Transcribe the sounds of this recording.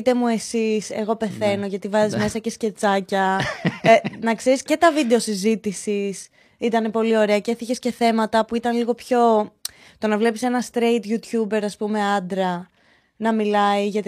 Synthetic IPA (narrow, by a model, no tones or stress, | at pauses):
t̪e̞mue̞sise̞ɣo̞pe̞θe̞no̞ʝɐt̪ivɐzizme̞sɐcesce̞t͡sɐcɐenɐkseɾisce̞t̪ɐvid̪e̞o̞sizit̪isis | it̪ɐne̞po̞lio̞ɾe̞ɐceθiçe̞sce̞θe̞mɐt̪ɐpuit̪ɐnliɣo̞pço̞ | t̪o̞nɐvle̞pise̞nɐst̪ɾeit̪ʝut̪çube̞ɾɐspume̞ɐd̪ɾɐ | nɐmilɐiʝɐt̪